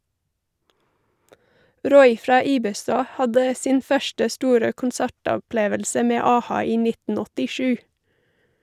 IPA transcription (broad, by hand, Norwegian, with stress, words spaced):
ˈɾɔʏ ˈfɾɑː ˈiːbəˌstɑː ˈhɑdə ˈsiːn ˈfœʃʈə ˈstuːɾə kʊnˈsæʈɔˌpleːʋəlsə ˈmeː ˈɑːˌhɑː ˈiː ˈnɪtn̩ ɔtɪˈʃʉː